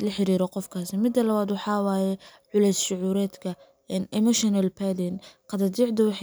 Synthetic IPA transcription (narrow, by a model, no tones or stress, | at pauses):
lɐħɪɾiːɾɔqɔfkʰaːsɪmɪd̪ːɐlɐβaːd̪wɑħɑːwaːjɛʕʊlɛjsʃʊʕuːɾɛːd̪kʰɐ | ɛnɛmɔʃɔnɐlpʰad̪ɪnqɑd̪ɐd̪iːʕd̪ɐwɑħ